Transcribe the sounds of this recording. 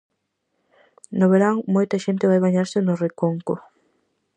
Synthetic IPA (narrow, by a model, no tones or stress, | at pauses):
noβeɾaŋmojt̪ɐʃent̪ɪβajβaɲaɾsɪnorekoŋko